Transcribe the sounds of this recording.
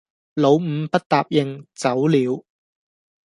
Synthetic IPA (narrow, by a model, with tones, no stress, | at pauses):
lo˨˧wm̩˨˧pɐ˥t̚t̪aː˨p̚jɪ˨˩ŋt͡sɐ˨˥wliː˨˧˥w